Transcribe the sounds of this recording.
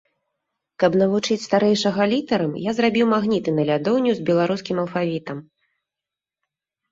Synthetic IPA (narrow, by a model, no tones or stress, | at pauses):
kɐbn̪ɐvut͡ʂɨt͡sʲst̪aɾɛjʂɐɣɐlʲit̪ɐɾɐmjazɾabʲiwmaɣnʲit̪ɨnɐlʲad̪ɔwnʲuzbʲɛlˠaɾuskʲimɐlˠfavʲit̪ɐm